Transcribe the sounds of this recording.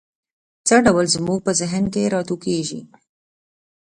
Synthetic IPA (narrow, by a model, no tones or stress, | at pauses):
t͡səɖawəlzmuɡ̚pəzɪɦənkeɾɑt̪ukeʒḭ